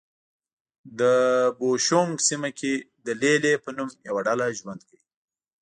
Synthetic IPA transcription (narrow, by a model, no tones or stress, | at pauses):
d̪əboʃoŋɡsimakʰed̪əlelepənumjawaɖalaʒwand̪kawi